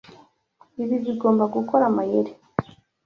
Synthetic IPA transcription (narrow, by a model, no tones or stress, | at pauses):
iβiβiɡoːmbaɡukoɾamajeɾe